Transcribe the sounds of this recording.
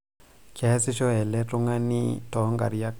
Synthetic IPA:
kʰɛ˨˦si˦ʃɔ˦ɛ˨lɛ˦tu˦ŋa˦nḭ˦tɔ˨˦ŋɡa̰˨ɾija˦k̚

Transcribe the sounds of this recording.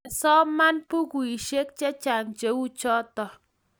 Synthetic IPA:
sɔ˦ma˦npu˦ku˨i˨ʃe˦k̚t͡ʃɛ˦t͡ʃa˨ŋt͡ʃe˨˦u˦t͡ʃɔ˦tɔ˨

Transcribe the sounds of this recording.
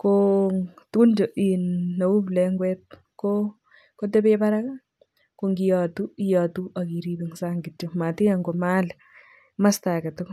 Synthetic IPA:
ko | tund͡ʒo˨ʔinːa˨u˦plɛŋɡwɛt̚ | ko | kot̬e˦pepa˦ɾa˦k | ko˨ŋɡijatui˦ja˨tu˦ʔa˨ki˨ɾibiŋsaŋɡɪtoma˨ti˦a˨ŋɡo˨mal | ma˦sta˨kɛ˨to˦k

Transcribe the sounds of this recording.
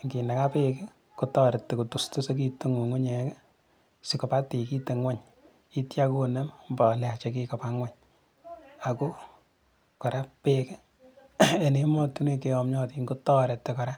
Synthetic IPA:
ŋɡi˨na˨ka˦pe˦ke˦ | kotɔːɾe˨tːe˨ko˨tu˨sto˦se˦k̬i˦te˦ŋo˨ŋu˦ɲe˨˦ke˦ | si˨kɔ˨pa˦ti˨ki˦te˨ŋwa˦ɲ | i˦tja˦kone˦mmba˨la˨t͡ʃe˨k̬ikɔ˨pa˦ŋwa˦ɲ | a˨ko˦ | kɔ˨ɾa˦peke˦ | e˨ne˦mɔ˦tu˦ne˦ke˨ɔmɲɔ˦ti˨ŋko˦tɔ˦ɾɛ˨tːe˨kɔ˨ɾa˦

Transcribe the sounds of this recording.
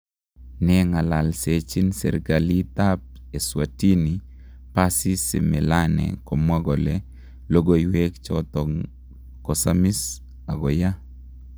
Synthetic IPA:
nɛŋa˨la˨lset͡ʃi˦nsḛ˨ɾkali˦t̪ap̚ | e˨swati˦ni | pasi˦sḛ˨mɛ˨lanɛ̰ko˨mwa˦ɡɔ˨lɛ | lo˦ɡo˦iwe˦kt͡ʃɔt̪ɔŋ | kɔ˨sami˦s | a˨ɡɔ˨ja˦

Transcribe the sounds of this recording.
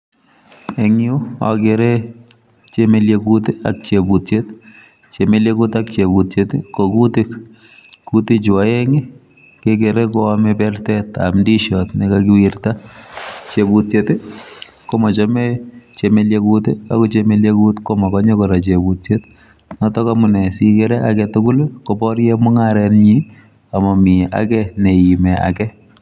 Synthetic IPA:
ɛ˨ŋju˦a̰˨ɡe˨ɾe˦ | t͡ʃe˦me˦lje˨ɡut̪e˦a̰k̚t͡ʃe˨bu˨t̪t͡ʃe˦t̪ | t͡ʃe˨me˦lje˦ɡu˦t̪ak̚t͡ʃe˨bu˨t̪t͡ʃe˨t̪ɪko˨ɡut̪ɪ˦k | ku˦t̪ɪ˦d͡ʒwa˨e˦ŋɪ˦ | kɪ˦ke˨ɾe˦kɔ˦amepɛɾt̪ɛt̪a̰mdi˦ʃɔt̪nɪ˨kaɡɪ˦wiɾt̪a˦ | t͡ʃebu˨tjetɪ˦ | ko˦ma˨t͡ʃɔ˦met͡ʃe˨me˦ljekutɪa̰˦ku˦t͡ʃeme˦lje˦kutkoma˨kɔ˦ɲɔ˦kɔɾa˨t͡ʃebutt͡ʃet | nɔtɔ˦kamʊ˨nɛ˨si˦keɾɛ˦ʔakɛtʊkʊ˦lko˨pɔ˦rjɛmʊ˦ŋaɾɛnɲi | a˨mɔ˨mi˨a̰˦kɛne˨ji˨mɛa̰˨kɛ˦

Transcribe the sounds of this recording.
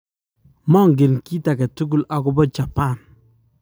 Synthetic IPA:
mɔ˦˨ŋɡɪ˨nki˦ta˨kɛ˨tu˦ɡ̬u˦˨lʔa˨kʊ˦bɔ˦t͡ʃa˨pa˦˨n

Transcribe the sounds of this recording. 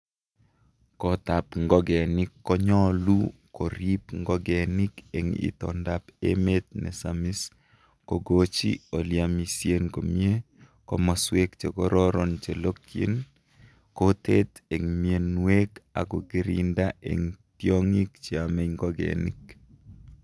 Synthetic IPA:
kɔ˨t̪a˨pŋɡɔ˦ɡɛ˨nɪ˦kːɔ˦ɲɔ˦lu˦ko˨ɾi˦pŋɡɔ˦ɡɛ˨nɪ˦ke˨ŋḭ˦t̪ɔ̰˨nda˨pḛ˦me˦t̪̚nɛ̰˨sa˨mi˦s | ko˨ɡo˦t͡ʃḭ˦o˨lja˨mi˨sje˦nko˨mie˦ | kɔ˦mɔ˨swe˦kt͡ʃe˨kɔ˦ɾɔ˦ɾɔ˦nt͡ʃe˨lo˦kjḛ˦n | ko˦te˦t̪e˨ŋmie˨nwe˦ka̰˨ɡo˨ɡi˦ɾḭnda˦ḛ˨ŋtjɔ˦ŋi˦kt͡ʃi˨a˨me˦ŋɡɔ˦ɡɛ̰˨nḭ˦k

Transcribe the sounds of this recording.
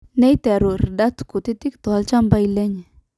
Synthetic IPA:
ne˦jt̪e˨ɾu˨ɾda˦t̪ku˨t̪i˦t̪i˦kt̪ɔ˨a˦lt͡ʃa˦mba˦jle˦ɲ˨

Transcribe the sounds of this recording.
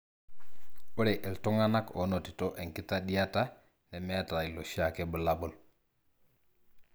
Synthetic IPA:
u˦ɾe˨ʔe˨lto˦ŋa˦na˦ko˨˦no˨ti˨to˦ʔe˨ŋki˦ta˦ɗi˦ja˦ta˦ | ne˨me˦ja˦ta˨i˨lo˨ʃi˦a˨ke˦bə˨la˦bu˦˨l

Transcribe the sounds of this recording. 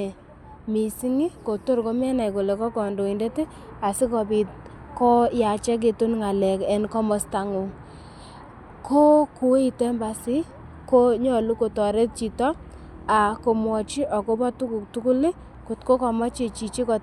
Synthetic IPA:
mi˨si˦ŋi˦ko˨to˦ɾko˦m˦ɛ˦na˨jko˨le˨kɔ˦kɔ˨ndo˨ɪ˨nde˦te˦ | a˨sɪ˦kɔ˨bi˨t̚kɔ˦ja˨t͡ʃɛ˦k̬e˨tu˦nŋa˨lɛ˨kɛ˦nkɔ˦mɔ˨˦sta˨ŋu˨ŋ | kʰo˦ku˨we˦i˨tɛ˦mba˨sɪ˦ | ko˦ɲɔ˨lu˦ko˨tɔ˨ɾe˦t̚t͡ʃi˨tɔ˦ | a˨ko˨mwɔ˨t͡ʃi˦ʔɔ˨ko˦bɔ˦tu˦ku˨ktu˦ku˦lɪ˦ | ko˨tko˦kɔ˨mɔ˦t͡ʃe˨t͡ʃi˨t͡ʃi˦kɔ˨

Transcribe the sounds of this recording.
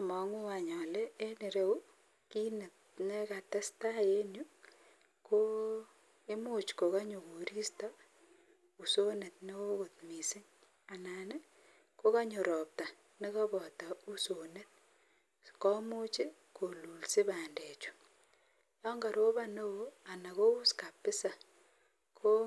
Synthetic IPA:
amɔ˨ŋu˦a˨ɲɔ˨le˦e˦ni˨ɾe˦wu˦ | ki˦ne˨t̚ | ne˦ka˨te˦sta˦je˦nju˦ | kʰo˦ | e˦mu˦t͡ʃko˨ka˦ɲu˨ko˨ɾi˦sta˦ | u˨so˦ne˨t̪̚ne˦o˦ko˨t̪̚mi˨sɪ˦ɲ | a˨na˨ne˦ | ko˦ka˦ɲu˨ɾɔ˨p̚ta˨ | ne˦kɔ˦bɔ˨ta˨u˦so˨ne˦t̪̚ | kɔ˦mu˦t͡ʃɪ˦ | ko˨lu˨lsi˦ba˨nde˨t͡ʃu̥˨ | jɔ˦ŋɡa˨ɾo˦ba˦no˦wo˨a˨na˨ko˦u˦ska˨pːɪ˦sa˨ | kʰo˦

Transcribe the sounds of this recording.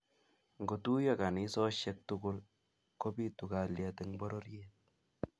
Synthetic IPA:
ŋɡo˨tu˦jɔ˦ka˨ni˦sɔ˦ʃɛ˦k̚tu˦kʊ˦l | ko˦pi˦tu˨ka˨lja˨tɪ˨ŋbɔ˦ɾɔ˦ɾjɛ˦t̚

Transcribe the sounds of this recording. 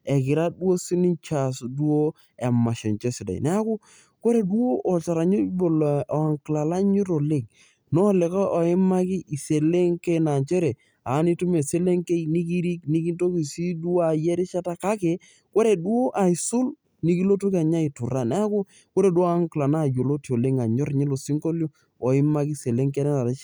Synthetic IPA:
ɛ˨kɪ˨ɾa˦du˦o˦si˦ni˦nt͡ʃa˨sdwo˦ | ɛ˨ma˨ʃɛ̰˨ɲt͡ʃɛ˦sɪ˨da̰˨j̰nɛ˦a˦kʊ˦ | ko˦ɾe˨du˦o˦ʔɔ˨t͡ʃa˨ɾa˨ɲi˦bo˨la˨ŋkla˨la˦ɲu˦ɾo˨le˦˨k̚ | nɔ˦le˨ka˦ʔɔ˨ɪ˦ma˦ki˦ʔi˨se˨le˦ŋke˦na˨nt͡ʃe˦ɾe˨ | a˨˦ni˦tu˦me˨se˦le˦ŋke˦ini˦k̬i˦ɾi˦kni˦ki˦nto˦ki˨si˦du˦a˨jɛ˦ɾe˦t͡ʃa˦ta˦ka˦ke˨ | ko˦ɾe˨dwo˦ʔa˨i˨sʊ˦l | ni˦ki˦lo˦tu˦ka˨ɲa˦i˨tʊ˨ɾa˨n˦a˦kʊ˦ | ko˦ɾe˨dwŋkla˨na˦˨jo˨lo˦tjo˨le˦ŋa˨ɲɔ˦ɾɲi˦lo˨si˦ŋko˦ljo˦ | ɔ˨ɪ˦ma˦ki˦se˨le˦ŋkɛ˦nɛ˦na˨ɾt͡ʃ

